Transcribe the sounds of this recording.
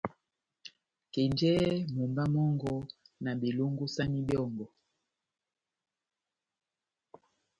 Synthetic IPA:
ke˨nd͡ʒɛ˦mu˨mɡa˦mɔ˦ŋɡɔ˦na˨bi˨lu˦ŋɡu˦sa˦ni˦bjɔ˦˨ŋɡɔ˨

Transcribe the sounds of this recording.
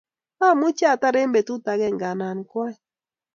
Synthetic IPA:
a˦˨mu˦t͡ʃa˦˨ta˦ɾe˦mbɛ˨tu˦ta˨ɣɛ˦˨ŋɡa˨na˨ni˨kwa˦i˨

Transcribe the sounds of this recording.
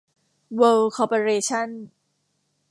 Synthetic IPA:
wə˧lkʰɔː˧po˧ɾeː˧t͡ɕʰa˥˩˨n

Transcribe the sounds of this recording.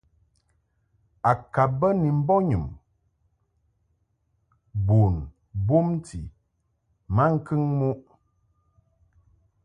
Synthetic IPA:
a˨ka˨bə˦ni˨m̩˦bɔ˦ɲɨ˨m | bo˨n | bo˦m˦tʰḭ˨ | ma˦ŋ̩˦kɨ˦ŋmu˦ʔ

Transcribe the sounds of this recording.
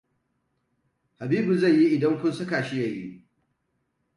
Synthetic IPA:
ha˨biː˦bu˨za˦˨jːi˦ʔɪ˨dɐ˦ŋkʷʊ˦nsɐ˦kaː˨ʃi˦ja˨jḭ˦

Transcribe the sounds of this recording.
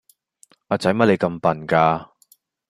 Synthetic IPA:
aː˨˧t͡sɐ˨˥jmɐ˥t̚le˨˧jkɐ˧mpɐ˨˩nkaː˧

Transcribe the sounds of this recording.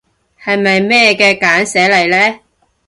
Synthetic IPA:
hɐ˨jmɐ˨jmɛː˥kɛː˧kaː˨˥nsɛː˨˥lɐ˨˩jlɛː˥

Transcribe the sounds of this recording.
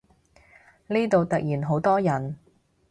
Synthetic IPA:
liː˥t̪o˨wt̪ɐ˨k̚jiː˨˩nɦo˨˥wt̪ɔː˥jɐ˨˩n

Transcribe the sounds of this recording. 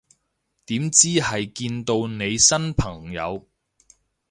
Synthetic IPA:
t̪iː˨˥mt͡siː˥hɐ˨jkiː˧nt̪o˧wne˨˧jsɐ˥npʰɐ˨˩ŋjɐ̰˨˧w

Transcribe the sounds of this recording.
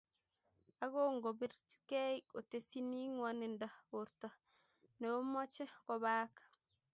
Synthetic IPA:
a˦ɡo˦ŋɡo˨bi˦ɾke˦i˦ko˨te˨si˦ni˦ŋwani˨nda˨oɾta˨ | ne˨o˦mo˦t͡ʃe˦ko˨baː˦k

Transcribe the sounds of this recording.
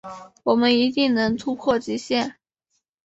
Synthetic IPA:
wɔ˨˩mə˦ni˧˥t̪i˥˩ŋnɤ˧˥ŋt̪ʰu˥pʰwɔ˥˩t͡ɕi˧˥ɕjɛ˥˩n

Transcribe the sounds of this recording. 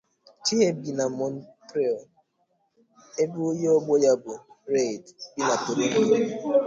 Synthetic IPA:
ti˦e˦bi˨na˨mɔ˨n˦tɾe˦o˨ | e˦bu˦o˦je˦ɔ˦ɡ͡bɔ˦ja˦bʊ˨ɾe˦˨dbi˦na˨to˨ɾo˦bo˦˨˦

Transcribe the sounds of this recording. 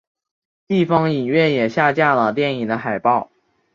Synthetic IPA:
t̪i˥˩fɑ˥ŋi˨˩nɥɛ˥˩njɛ˨˩ɕja˥˧t͡ɕja˥˩lə˩t̪jɛ˥˩ni˨˩d̪ə˦xa˨˩ɪpɑ˥˩ʊ

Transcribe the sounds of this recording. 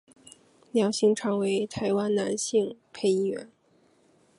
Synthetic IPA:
ljɑ˧˥ŋɕi˥˩ŋʈ͡ʂʰɑ˧˥ŋwe˧˥ɪt̪ʰa˧˥ɪwa˥nna˧˥nɕi˥˧ŋpʰe˥˧ɪi˥˩ɥɛ̰˧˥n

